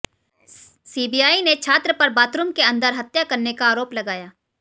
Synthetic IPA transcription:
siːbijaːinet͡ʃʰaːt̪ɾəpɐɾbaːt̪ɾʊmkeɐ̃nd̪əɾɦɐt̪jakɐɾnekaːɾoːplɐɡaːjaː

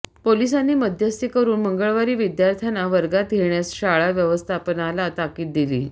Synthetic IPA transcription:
polisanːiːməd̪ʱjəst̪ikəɾuːnməŋɡəɭʋaɾiːʋid̪jaɾt̪ʰjanaʋəɾɡat̪ɡeɳjasɕaɭaʋjəʋəst̪ʰapənalat̪akiːt̪̚d̪ilḭː

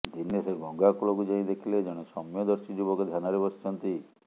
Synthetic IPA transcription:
d̪ʱinːeseɡʱɔŋɡakulokud͡ʒaĩd̪ekʰiled͡ʒɔɽ̃esɔmjɔd̪ɔɾsid͡ʒubɔkɔd̪ʱjanaɾebɔst͡ʃʰɔnt̪i

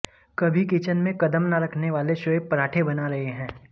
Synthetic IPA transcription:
kɐbʱikit͡ʃənmẽkɐd̪əmnaɾɐkʰneʋaːleʃoːepɐɾaːʈʰebɐnaɾɐɦeɦɛ̃ː

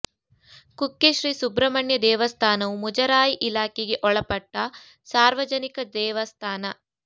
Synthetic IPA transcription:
kukːeʃɾiːsubɾɐmɐɳjɐd̪ɛːʋɐst̪ʰaːnɐʋumud͡ʒɐɾaːjiʔilaːkeɡeʔɔɭɐpɐʈːɐ | saːɾʋɐd͡ʒɐnikɐd̪ɛːʋɐst̪ʰaːnɐ

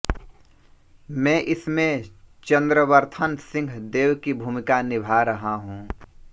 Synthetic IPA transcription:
mɛ̃ːʔɪsmẽt͡ʃə̃nd̪ɾəʋəɾt̪ʰənsɪ̃ŋɡʱd̪eːwkibʱuːmɪkanɪbʱaɾəɦaɦũː

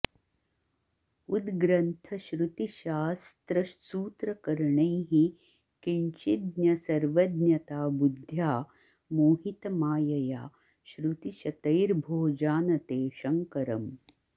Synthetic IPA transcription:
ud̪ɡɾɐnt̪ʰɐʃɾut̪iʃaːst̪ɾɐsuːt̪ɾɐkɐɾɳɐjɦi | kiɳt͡ʃid̪njɐsɐɾʋɐd̪njɐt̪aːbud̪ʱjaː | moːɦit̪ɐmaːjɐjaː | ʃɾut̪iʃɐt̪ɐjɾbʱoːd͡ʒaːnɐt̪eːʃɐŋkɐɾɐm

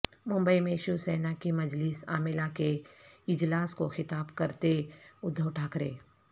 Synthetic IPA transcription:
mʊ̃mbəimẽʃusɛːnakimɐd͡ʒlɪsa̰ːmɪlakeɪd͡ʒlaːskoxɪt̪aːbkɐɾt̪eʊd̪ʱːəwʈʰaːkɾḛː

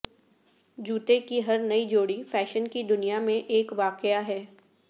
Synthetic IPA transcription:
d͡ʒuːt̪ekiɦɐɾnɐid͡ʒoːɽifɛːʃənkid̪ʊnijamẽʔeːkʋaːqɪjaɦɛː

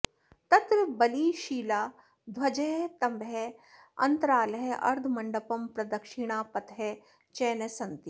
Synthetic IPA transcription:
t̪ɐt̪ɾɐbɐliːʃiːlaː | d̪ʱʋɐd͡ʒɐɦet̪ɐmbe | ɐ̰nt̪ɐɾaːlɐɦeɐ̰ɾd̪ʱmɐɳɖɐpɐmpɾɐd̪ɐkʃɪɽ̃aːpɐt̪ɦe | t͡ʃeːnɐsɐnt̪i

